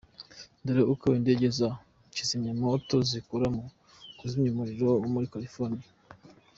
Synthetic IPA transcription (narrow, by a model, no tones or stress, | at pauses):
ndeɾaʔukaindeɟeza | cizimɲamotozikuɾamu | kuzimɲumuɾiɾoumuɾikaɾifoni